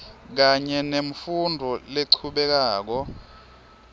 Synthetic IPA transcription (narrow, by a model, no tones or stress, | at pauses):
k̬aɲɛnem̩fundʱɔleǀʰuɓɛk̬aːk̬ɔ